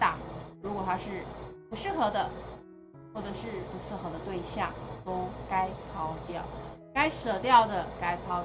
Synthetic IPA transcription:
t̪a˨˩˦ɻu˧˥kwɔ˨˩t̪ʰa˥ʂɻ̩˥˩pu˧˥ʂɻ̩˥˩xɤ˧˥d̪ə˧ | xwɔ˥˩ʈ͡ʂɤ˨˩ʂɻ̩˥˩pu˧˥ʂɻ̩˥˩xɤ˧˥d̪ə˧t̪we˥˧ɪɕjɑ˥˩ŋt̪o˥ʊka˥ɪpʰɑ˥ʊt̪jɑ˥˩ʊka˥ɪsɤ˨˩t̪jɑ˥˩ʊd̪ə˩ka˥ɪpʰɑ˥

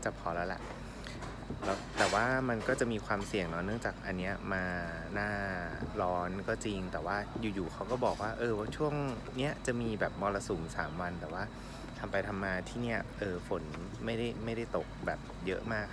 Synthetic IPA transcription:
t͡ɕa˨˩pʰɔː˧˥lɛː˦˥lɛ̰˨˩ʔ | lɛː˦˥wt̪ɛː˨˩waː˥˩ma˧nkɔː˥˩t͡ɕa˨˩ʔmiː˧kʰwaː˧msi˨˩əŋnɔ˦˥nɯ˥˩əŋt͡ɕaː˨˩k̚ʔa˧nːi˦˥ɐmaː˧ | naː˥˩lɔː˦˥nkɔː˥˩t͡ɕi˧ŋt̪ɛː˨˩waː˥˩juː˨˩juː˨˩xʰa˦˥wkɔː˥˩bɔː˨˩k̚waː˥˩ʔɤː˧wa˥˩t͡ɕʰu˥˩əŋ | ni˦˥ɐt͡ɕa˨˩ʔmiː˧bɛː˨˩p̚mɔː˧la˧suː˩˦msa̰ː˩˦mwa˧nt̪ɛː˨˩waː˥˩ | t̪ʰa˧mpa˧jt̪ʰa˧mːaː˧t̪ʰiː˥˩ni˦˥˩ɐ˩ʔɤː˧fo˩˦n | ma˥˩jda˥˩jma˥˩jda˥˩jt̪o˨˩k̚bɛː˨˩p̚jɤ˦˥ʔmaː˥˩kʰː

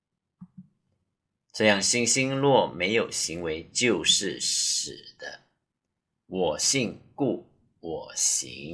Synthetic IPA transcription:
ʈ͡ʂɤ˥˧jɑ˥˨ŋɕi˥ŋɕi˥nlwɔ˥˩me˧˥ɪjo˨˩ʊɕi˧˥˦ŋwe˧˥ɪt͡ɕjo˥˧ʊʂɻ̩˥˩ʂɻ̩˨˩d̪̥ə˦ | wɔ˨˩ɕi˥˧ŋku˥˩ | wɔ˨˩ɕḭ˧˦ŋ

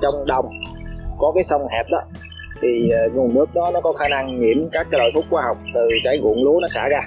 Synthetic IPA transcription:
t͡ɕɔ˧wŋ͡mɗə˨˩wŋ͡mkɔ˨˦kaː˨˦jsə˧wŋ͡mhɛ˨˩p̚ɗɔ˨˦ | t̪ʰiː˨˩˨ŋu˨˩nːɨ˦˥ək̚ɗɔ˨˦nɔ˨˦kɔ˨˦xaː˧˦na˧ŋːḭ˧˩əmkaː˦˥k̚ːaː˧˦lo̰˧˨jfu˦˥t̚xwaː˧ɦa˨˩wk͡p̚t̪ɨ˨˩kaː˨˦jɣṵ˧˨əŋlu˨˦nɔ˨˦sa̰ː˧˩ɣaː˧

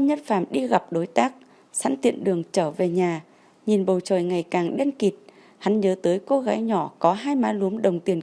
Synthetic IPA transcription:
ɲə˦˥t̚faː˧˩mɗi˧ɣa˨˩p̚ɗo˨˦jt̪aː˦˥k̚ | sa̰ː˧˥nt̪ḭ˧˨ənɗɨ˨˩əŋt͡ɕəː˧˩ve˨˩ɲaː˨˩ | ɲi˨˩nɓə˨˩wt͡ɕəː˨˩jŋa˨˩jkaː˨˩ŋɗe˧nki˨˩t̚ | ha˨˦nɲəː˨˦t̪əː˨˦jko˧ɣaː˨˦jɲɔ˧˩kɔ˨˦ɦaː˧jmaː˨˦lu˨˦əmɗə˨˩wŋ͡mt̪i˨˩ən

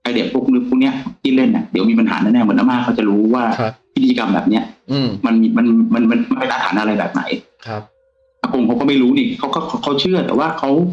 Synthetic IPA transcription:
ʔa˧˩di˨˩˦pʰuː˥˩klɯ˦˥pʰuː˥˩kni˥ɐ˨kʰi˦˥˩t̪̚le˥˩nʔa̰˨˩di˩˦wmiː˧p̬a˧nha̰ː˩˦naː˧˩˨naː˥˩mɯ˩˦nʔaː˧maː˥˩kʰːa˥˩wt͡ɕa˨˩ɾuː˦˥waː˥˩wʰi˦˥t̪ʰiː˧ka˧mbɛ̰ː˨˩p̚ni˦˥ɐ˧ma˧n˧ma˧nma˧nma˧nma˧npe˧nʔa˧t̪a̰ː˩˦nʔa˧ɾa˧jbɛ̰ː˨˩p̚na̰˩˦jkʰ | ʔa˧˩ko˧ŋkʰa˧˦˥wkɔː˥˩ma˥˩jɾuː˦˥niː˧˩kʰa˦˥wkɔː˥˩kʰa˧˥wkʰa˦˥wt͡ɕʰɯ˥˩ɐt̪ɛ̰ː˨˩waː˥˩kʰa˦˥w

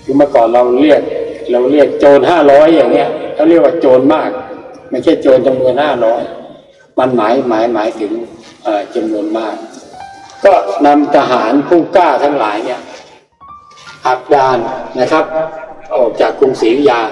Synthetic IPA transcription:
juː˧maː˧kɔː˨˩nɾa˧wli˥˩ək̚ɾa˧wli˥˩ək̚t͡ɕoː˧nɦaː˥˩ɾɔː˦˥jːaː˨˩ŋni˦˥˩ɐlaː˧wɾli˥˩ək̚waː˧˩t͡ɕoː˧nmaː˥˩k̚ma˥˩jt͡ɕʰa˥˩jt͡ɕoː˧nt͡ɕa˧mnu˧ənhaː˥˩ɾɔː˦˥j | ma˧nmaː˩˦jmaː˩˦jmaː˩˦jt̪ʰɯ˩˦ŋ | ʔaː˨˩t͡ɕa˧mnu˧ənmaː˥˩k̚ | kɔː˥˩na˧mt̪ʰa˧ɦaː˩˦npʰuː˥˩kaː˥˩t̪ʰa˧˥˩ŋlaː˩˦jni˥˩ɐ | ʔa˨˩k̚daː˧nːa˦˥kʰa˦˥p̚ʔɔː˨˩k̚t͡ɕaː˨˩kːu˧ŋsiː˨˦jaː˧˩

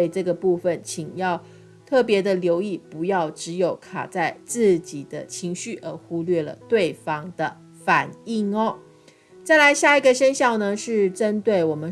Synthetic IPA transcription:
ɪʈ͡ʂɤ˥˩ɡə˩pu˥˩fə˨˩nt͡ɕʰi˨˩ŋjɑ˥˧ʊ | t̪ʰɤ˥˩pjɛ˧˥d̪ə˨ljo˧˥ʊi˥˩pu˧˥jɑ˥˩ʊʈ͡ʂɻ̩˧˥jo˨˩ʊkʰa̰˨˩t͡sa˥˧ɪt͡sɹ̩˥˩t͡ɕi˨˩d̪ə˦t͡ɕʰi˧˥ŋɕy˥˩ʔə˧˥xu˥lɥɛ˥˩lə̰˨˩t̪we˥˩ɪfɑ˥ŋd̪ə˨˩ | fa˨˩ni˥˩ŋɔ˦ | t͡sa˥˩ɪla˧˦˥ɪɕja˥˩i˧˥ɡə˨ʂə˥nɕjɑ˥˩ʊnə˨ʂɻ̩˥˩ʈ͡ʂə˦˥nt̪we˥˩ɪwɔ˨˩mə˦n

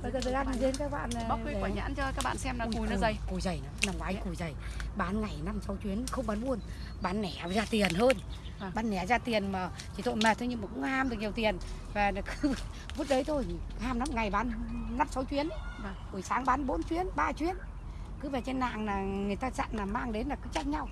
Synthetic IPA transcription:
ɓə˧jzːt̪ʰə˨˧ʔa˧n˨ze˨˦nkaː˦˥k̚ɓa̰ː˧˨n˨˦kkːaː˧˨˩ɲa̰ː˧˥nt͡ɕɔ˧kaː˦˥k̚ɓa̰ː˧˨nsɛ˧maː˨˧˩jnɨ̰˧˦zə˧˩jku˨˩jzə˨˩jna˨˦naː˨˩ŋkwaː˨˦jku˧˩jzə˨˩jɓaː˨˦nŋa˨˩jna˧msa˨˦wt͡ɕwi˨˦ənxə˧wŋ͡mɓaː˨˦nɓu˧ən | ɓaː˨˦nːɛ˨˧˩zaː˧t̪i˨˩ənhəː˧n˨ | ɓaː˨˦nːɛ˨˧˩zaː˧t̪i˨˩ənmaː˨˩ | t͡ɕi˨˩t̪o̰˧˨jmɛ˨˩t̪ʰːɲi˧maː˨˩kʊ̰˧˥ŋ͡mhaː˧mɗɨ˨˩k̚ɲ˨˩əwt̪i˨˩ənvaː˨˩na˨˩kɨ˨˦˧ | vu˦˥t̚ɗə˨˦jt̪ʰo˧jhaː˧mna˧mŋa˨˩jɓaː˨˦nna˧msa˨˦wt͡ɕwi˨˦ən˦˨˩ | ku˧˩jsaː˨˦ŋɓaː˨˦nɓo˨˦nt͡ɕwi˨˦ənɓaː˧t͡ɕwi˨˦ən | kɨ˨˦ve˨˩t͡ɕe˧nːa̰ː˧˨ŋnaː˨˩ŋɨ˨˩əjt̪aː˧za̰˧˨nlaː˨˩maː˧ŋɗe˨˦nlaː˨˩kɨ˨˦t͡ɕa˦˧˥t̚ɲa˧w

